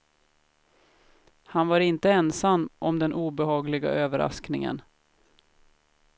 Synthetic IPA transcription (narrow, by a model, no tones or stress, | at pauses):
hanvaɾɪnt̪əɛnsamːʔɔmd̪ɛnʔuːbɛhɑːɡlɪɡa̰ʔøːvəɾa̰sknɪ̰ŋə̰n